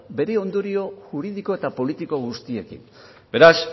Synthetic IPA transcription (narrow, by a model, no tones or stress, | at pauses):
be̞ɾe̞o̞nd̪oɾio̞ʝuɾið̞iko̞e̞t̪apo̞lit̪iko̞ɣ̞ust̪ie̞kḭm | be̞ɾas